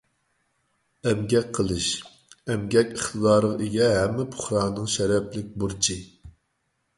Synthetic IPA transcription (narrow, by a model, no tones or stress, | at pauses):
ɛmɡʲɛk̚ʲqʰəlˠɨʃ | ɛmɡʲɛkʲəχt̪ʰɨd̪ɑːɾəʁiɡʲɛɦɛmːɪpʰʊ̥χɾɑːnɨŋʃɛɾɛplɪk̚ʲbuɾt͡ʃʰi